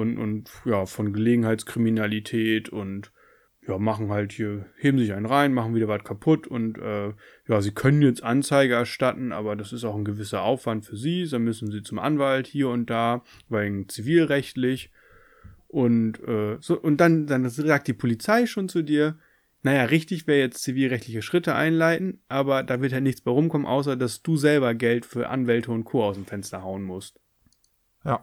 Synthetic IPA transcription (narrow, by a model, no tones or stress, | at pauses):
ʔʊnʊ̰ntjaːfɔnɡəleːɡŋ̩haɪt͡skʁ̥iminalitʰɛːtʰʊnt | jaːmaχn̩ɦalthiːɐheːbm̩zɪçaɪnʁaɪnmaχn̩viːdɐvatkʰapʰʊtʰʊntʔɛː | jaːziːkʰœnənjɛt͡stʔant͡saɪɡəɛɐʃtatn̩ʔa̰ːbɐdasɪstaʊxn̩ɡəvɪsɐʔaʊfv̥antfyːɐziːzanmʏsn̩ziːt͡sʊmʔa̰nvalthiːɐʊnt̚d̥aː | vaɪɡŋ̩t͡siviːlʁɛçtlɪç | ʔʊntʔɛːz̥oːʔʊnt̚d̥andanzaːk̚t̚d̥iːpʰolit͡saɪʃoːnt͡sudiːɐ | najaːʁɪçtɪçv̥ɪːjɛt͡stt͡siviːlʁɛçtlɪçəʃʁ̥ɪtəʔa̰ɪnlaɪtn̩ʔaːbɐdaːvɪɐthaltnɪçt͡sb̥aɪʁʊmkʰɔmənʔa̰ʊs̬ɐdasd̥uːzɛlbɐɡɛltfyːɐʔa̰nvɛltəʊnt̚kʰoːaʊsdemfɛnstɐhaʊənmʊst | j